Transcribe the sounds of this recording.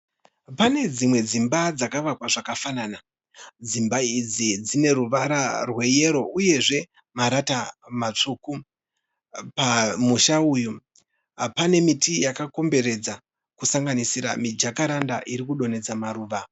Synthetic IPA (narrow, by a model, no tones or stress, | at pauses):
pane̞d͡zimwe̞d͡zimbad͡zakaʋakwaʐakafanana | d͡zimbaid͡zid͡zine̞ɾuʋaɾarwe̞je̞ɾo̞uje̞ʐe̞ | maɾatamat͡ʂuku | pamuʃauju | pane̞mitijakako̞mbe̞ɾe̞d͡za | kusaŋɡanisiɾa̰mid͡ʒakaɾandaʔiɾikuɗo̞ne̞d͡zamaɾuːʋa